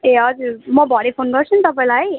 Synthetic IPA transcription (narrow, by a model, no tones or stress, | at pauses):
eɦʌd͡zuɾmʌbʱʌɽepʰonɡʌɾt͡sʰunt̪ʌpaĩlaj